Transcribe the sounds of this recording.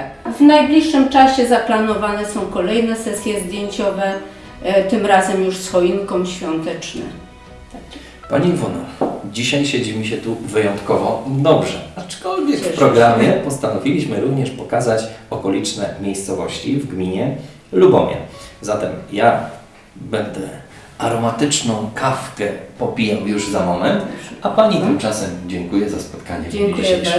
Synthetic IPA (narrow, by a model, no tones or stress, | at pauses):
vnajblʲiʂːɘmt͡ʂaɕɛzaplanɔvanɛsɔ̃w̃kɔlɛjnɛsɛsʲjɛzd̪ʲjeɲt͡ɕɔvɛ | t̪ɘmɾazɛmjuʂsxɔiŋkɔmɕfʲjɔnt̪ɛt͡ʂnɛ̰ | t̪a | pa̰ɲivunɔd͡ʑiɕajɕɛd͡ʑimʲiɕ̬ɛt̪uvɘjɔnt̪kɔvɔd̪ɔbʐɛat͡ʂkɔlvʲjɛkːpɾɔɡɾamʲjɛpɔst̪anɔvʲilʲiɕmɘɾuvɲɛʂpɔkazat͡ɕɔkɔlʲit͡ʂnɛmʲjejst̪sɔvɔɕt͡ɕivɡmʲiɲɛ | lubɔmʲjɛ̰zat̪ɛmja | bɛnd̪ɛ | ʔaɾɔmat̪ɘt͡ʂnɔ̃w̃kʰafkɛpɔpʲijɛwjuʐzamɔmɛnt̪apaɲit̪ɪmt͡ʂasɛmd͡ʑɛŋkujɛzaspɔt̪kaɲɛd͡ʑiɕɛj